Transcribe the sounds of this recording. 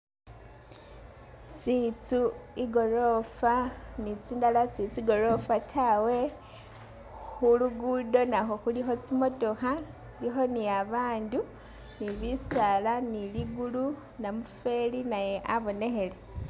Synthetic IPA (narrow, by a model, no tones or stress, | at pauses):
t͡sit͡suiɡo̞ɾofanit͡sindalat͡sit͡siɡo̞ɾo̞fatʰawe̞ | xuluɡudo̞naxo̞xulixo̞t͡simo̞to̞xa | lixo̞niaβaːndu | niβisalaniliɡulu | namufe̞linaje̞ʔaβo̞ne̞xe̞le̞